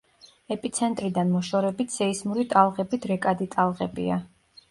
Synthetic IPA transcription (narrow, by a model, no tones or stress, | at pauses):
ɛpʼit̪sʰɛnt̪ʼɾid̪anmɔʃɔɾɛbit̪ʰsɛismuɾit̪ʼalˠʁɛbit̪ʰɾɛkʼad̪it̪ʼalˠʁɛbḭa